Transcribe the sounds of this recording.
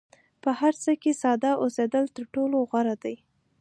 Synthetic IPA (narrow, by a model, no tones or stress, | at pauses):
pəhaɾt͡səkesɑd̪ɑʔosed̪əlt̪əɾʈoloɣwaɾad̪aj